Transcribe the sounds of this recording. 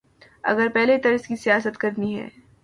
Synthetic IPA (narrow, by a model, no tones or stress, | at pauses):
ɐ̰ɡəɾpɛɦlet̪ɐɾɪskisijaːs̬ət̪kɐɾniɦɛ̰ː